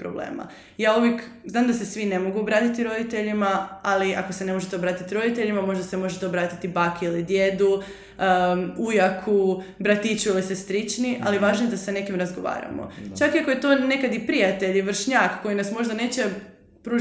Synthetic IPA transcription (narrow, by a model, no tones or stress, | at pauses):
pɾoblḛːma̰ | jaːuʋjek | znaːmd̪asesʋine̞mo̞ɡuobɾaːt̪it̪iɾo̞d̪it̪e̞ʎimaaliʔa̰kosenemo̞ʒet̪eobɾaːt̪it̪iɾo̞d̪it̪e̞ʎimamo̞ʒd̪asemo̞ʒet̪eobɾaːt̪it̪ibaːkiilid̪je̞d̪u | ujakʰubɾat̪it͡ɕuilisest̪ɾit͡ʃniʔa̰liʋaːʒnojd̪asane̞kimɾazɡo̞ʋa̰ːɾa̰mo̰t͡ʃakiakoje̞t̪o̞ne̞kad̪ipɾiat̪eʎiʋr̩ʃɲakkːo̞jinasmo̞ʒd̪ane̞ːt͡ɕe̞ | pɾuː